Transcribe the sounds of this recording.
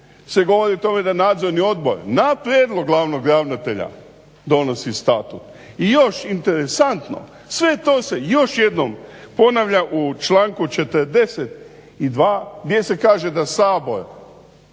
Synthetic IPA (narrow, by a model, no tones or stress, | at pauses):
se̞ɡo̞ʋo̞ɾiot̪o̞me̞d̪anaːd̪zo̞ɾnio̞d̪bo̞̰ɾnapɾjeːd̪lˠoɡlˠaʋno̞ɡɾaʋnat̪e̞ʎa̰ | d̪o̞no̞sist̪at̪ṵt̪ | ijo̞ʃint̪e̞ɾesant̪no̰ | sʋe̞t̪oːse̞jo̞ʃje̞d̪nompo̞naʋʎaʔut͡ʃlaːŋkut͡ʃe̞t̪əɾd̪e̞set̪ | id̪ʋaːɡd̪ʲje̞se̞kaːʒe̞d̪asaːbo̞ɾ